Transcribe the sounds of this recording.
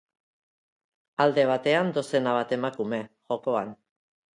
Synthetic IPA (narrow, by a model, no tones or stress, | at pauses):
ald̪e̞β̞at̪e̞and̪o̞se̞naβ̞at̪e̞makume̞ʝo̞ko̞an